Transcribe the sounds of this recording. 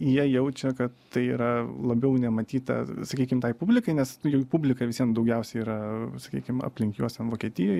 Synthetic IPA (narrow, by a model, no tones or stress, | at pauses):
jiɛjɛʊt͡ʃʲɛkɐt̪t̪ɐɪḭːɾɐlˠɐbʲɛʊnʲɛmɐt̪ʲiːt̪ɐ̰sɐkʲiːkʲɪmt̪ɐɪpubʲlʲɪkɐɪnʲɛsjɛʊpubʲlʲɪkɐʋʲɪsʲiɛmd̪ɐʊɡʲɛʊsʲɛɪiːɾɐsɐ̥kʲḭːkʲɪmɐ̰pʲlʲɪŋʲkʲjuɔst̪ʲɛmʋoːkʲiɛt̪ʲɪjoːj